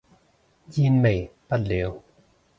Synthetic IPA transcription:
ji˧nme˨˩jpa˥˩t̚le˨˦w

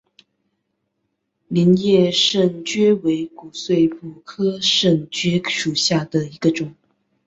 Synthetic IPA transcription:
li˧˥njɛ˥˧ʂə˥˩ŋt͡ɕɥɛ˥we˧˥ɪku˨˩swe˥˩ɪpu˨˩kʰɤ˥ʂə˥˩ŋt͡ɕɥɛ˥ʂu˨˩ɕja˥˩d̪ə˩i˧˥ɡə˧ʈ͡ʂʊ˨˩˦ŋ

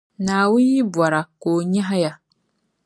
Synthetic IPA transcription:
naː˨wũ˦n˦ji˦bwɔ˨ɾa˨koː˨ɲɛ˦ɦa˦ja˨

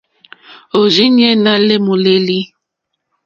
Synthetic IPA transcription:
o˨ʒi˦n˦ɛ˦na˦le˦mu˨le˦li˦

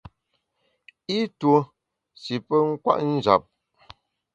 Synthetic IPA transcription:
i˦two˨ | si˨pə˦ŋ̩˦kwa̰˦ʔn̩˦d͡ʒa̰˨p̚

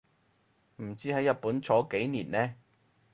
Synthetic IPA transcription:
m̩˨˩t͡siː˥hɐ˨˥jːɐ˨˧t̚puː˨˥nt͡sʰɔː˨˥ke˨˥jniː˨˩nlɛː˥

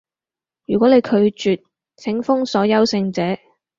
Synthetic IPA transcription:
jyː˨˩kʷwɔː˨˥ne˨˧jkʰɵ˨˧ɥt͡ʃyː˨t̚ | t͡sʰɪ˨˥ŋfʊ˥ŋsɔː˨˥jɐ˥wsɪ˧ŋt͡sɛː˨˥

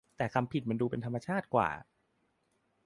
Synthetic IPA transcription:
t̪ɛː˨˩kʰa˧mpʰi˨˩t̪̚ma˧nduː˧pe˧nt̪ʰmːa˧t͡ɕʰaː˥˩t̪̚kwa̰ː˨˩

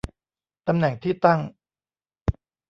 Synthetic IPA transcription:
t̪a˧mnɛ˨˩˦ŋt̪ʰiː˥˩t̪a˥˩ŋ

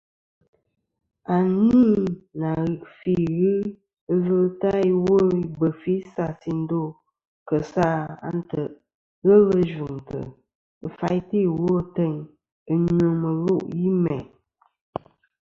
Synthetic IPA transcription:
a˨ni˦na˨fi˦ɣɨ˦ | ə˦və˦lta˦wo˦bə˨fi˦sa˦˨si˨n̩˦do˦˨ | kə˨sa˦˨a̰˦n˦tə˨ʔ | ɣə˦lə˦ʒu˨ŋtə̰˨ | ə˨fa˦jti˦˨wo˦tə˦˨ɲ | ɨ˨ɲo˨mə˨lo˦ʔji˦mɛ̰˨

